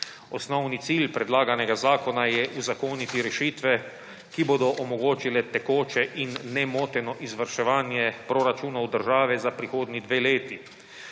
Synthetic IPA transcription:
ɔsnɔwnit̪silpɾɛd̪laːɡanɛɡazaːkɔnajɛʔuzakoːnit̪iɾɛʃiːt̪ʋɛ | kiboːd̪ɔʔɔmɔɡoːt͡ʃilɛt̪ɛkoːt͡ʃɛʔinːɛmoːt̪ɛnɔʔizʋəɾʃɛʋaːnjɛpɾoɾat͡ʃuːnawd̪əɾʒaːʋɛzapɾixoːd̪nid̪ʋeːleːt̪i

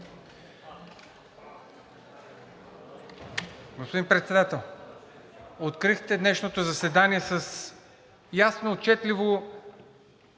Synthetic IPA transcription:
ɡospod̪inpɾɛt̪sɛd̪at̪ɛlˠ | ot̪kɾixt̪ɛd̪nɛʃnot̪ozɐsɛd̪aniɛsəs | jasnoːt͡ʃɛt̪livo

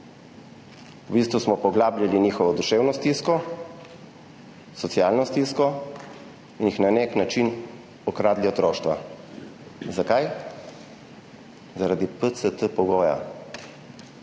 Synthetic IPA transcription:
ubist̪ʋusmɔpɔɡlaːblʲaliniːxɔʋɔd̪uʃewnɔst̪iskɔ | sɔt̪sjaːlnɔst̪iskɔ | injixnaneknat͡ʃin | ɔkɾaːd̪liɔt̪ɾoːʃt̪ʋa | zakaj | zaɾad̪ipət̪sət̪əpɔɡoːja̰

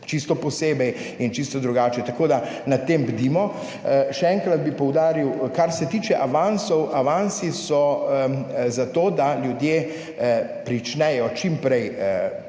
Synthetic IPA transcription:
t͡ʃist̪ɔpɔseːbɛj | int͡ʃist̪ɔd̪ɾuɡaːt͡ʃɛt̪akoːd̪anat̪ːembd̪imɔ | ʃɛɛŋkɾɐd̪̚bipɔwd̪aːɾiwkaɾsɛt̪iːt͡ʃɛʔaʋansɔwʔaʋansisɔ | zat̪oːd̪aljud̪je | pɾit͡ʃnɛjɔt͡ʃimpɾɛjə

